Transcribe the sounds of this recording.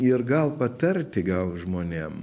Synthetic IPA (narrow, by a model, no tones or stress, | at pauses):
ɪɾɡɐlˠpɐt̪ɐɾʲt̪ʲɪɡɐlˠʒmoːnʲeːm